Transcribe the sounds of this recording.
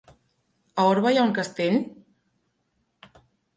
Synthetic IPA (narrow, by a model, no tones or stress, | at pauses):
aoɾβajauŋkəst̪eʎ